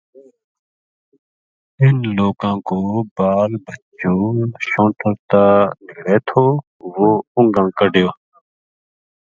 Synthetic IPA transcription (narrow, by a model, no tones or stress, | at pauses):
ɪnloːkãːkoːbaːlbʱət͡ʃoːʃõːʈʰəɾt̪aːnɪkɾeːt̪ʰoː | ʋoːʊ̃ŋɡãːkəɖʱɪjoː